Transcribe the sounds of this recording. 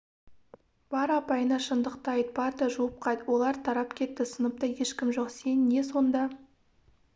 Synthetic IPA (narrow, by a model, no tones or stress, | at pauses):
b̥ɑɾɑpɑjənɑʃənd̪əqt̪ɑjd̪̚bɑɾd̪əʒuwəp̚qʰɑjd̪wo̞lˠɑɾt̪ʰɑɾɑpkʲʰe̞t̪ːɪsənəp̚t̪əje̞ʃkʲɪmʒoqse̞nːe̞so̞nd̪ɑ